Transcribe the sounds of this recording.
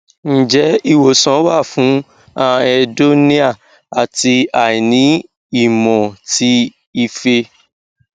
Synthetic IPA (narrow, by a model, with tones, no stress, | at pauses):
n̩˨d͡ʒɛ˨˦i˦˨wo˨sɔ̃˨˦wa˦˨fũ˨˦ | ã˧ɛ˧do˦nĩ˦a˦˨ | a˨ti˧a˨i˨nĩ˨˦ | i˦˨mɔ̃˨ti˦ | i˧fe˧